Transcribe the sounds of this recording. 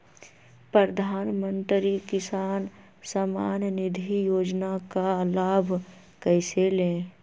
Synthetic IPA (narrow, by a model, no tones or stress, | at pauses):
pɾəd̪ʱaːnmə̃nt̪ɾikɪsaːn | samaːnnɪd̪ʱijoːd͡ʒnakalaːbʱ | kəɪselẽː